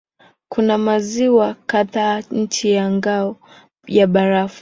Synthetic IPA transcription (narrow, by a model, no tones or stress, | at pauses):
kunamaziwakaðaːɲ̩t͡ʃijaŋɡaɔ | jaɓaɾaf